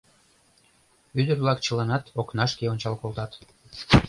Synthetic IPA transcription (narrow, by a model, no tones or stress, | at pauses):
yd̪ərβlɑkt͡ɕə̆lɑnɑt̪oknɑʃkeonʲt͡ɕɑlkolt̪ɑt̪